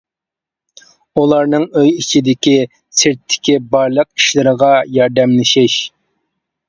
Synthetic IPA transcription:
ulˠɑɾnɨŋøjit͡ʃʰid̪ɪkʲi | sɪɾt̪ʰːɪ̥kʲibɑɾlˠəqi̥ʃlɪɾəʁɑjɑɾd̪ɛmlɪʃɪʃ

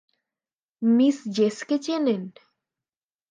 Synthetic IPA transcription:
misd͡ʑesket͡ɕenen

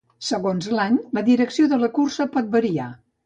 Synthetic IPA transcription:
səɣonzlaɲləðiɾəksioðələkursəpɔt̪̚bəɾia

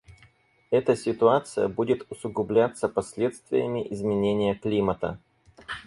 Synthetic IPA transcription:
ɛt̪əsʲɪt̪ʊat̪sɨjə̰budʲɪt̪ʊsʊɡʊblʲat̪səpɐsʲlʲe̞t̪st̪vʲɪ̰jəmʲɪʔɪzmʲɪnʲenʲɪjəklʲimət̪ə̰

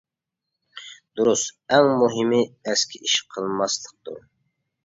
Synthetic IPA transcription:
d̪̥uɾusɛŋmuɦimɪɛskʲʰiʔiʃqʰəlˠmɑslˠəq̚d̪ṵ

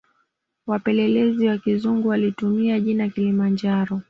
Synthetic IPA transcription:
wapɛlɛlɛziwakizuŋɡuwalitumiaʄinakilimand͡ʒaɾɔ

